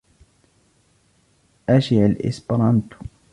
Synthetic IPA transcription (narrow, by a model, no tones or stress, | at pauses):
ʔaʃiʕalʔɪ̰spɾˤɑnt̪